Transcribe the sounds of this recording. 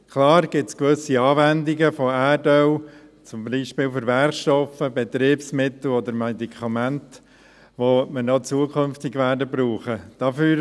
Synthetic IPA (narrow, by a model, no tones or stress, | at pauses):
kʰlɑːɾɡ̥ɪtskʋɵsiɑːvændiɡəfɔæːdœw | t͡sʊmbiʃpɪːlfɔɾʋæɾχʃtɔfəbɛt̪ɾeːbsmɪt̪l̩ɔd̪əɾmɛd̪ikʰɑmænt | ʋomənɑt͡suəkʰønft̪ɪɡʋæːɾdəbɾuːχəd̥ɑfyːɾ